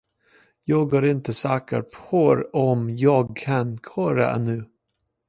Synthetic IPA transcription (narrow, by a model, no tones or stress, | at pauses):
jɑːɡɦɑɾɪnt̪əsɑːkə̰ɾpʰoɾɔmjɑːɡ̚kʰankʰɔɾa̰ʔɛ̰nːʉ